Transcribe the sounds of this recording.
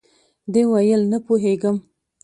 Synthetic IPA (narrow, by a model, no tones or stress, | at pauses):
d̪ewajəlnapoɦeɡəm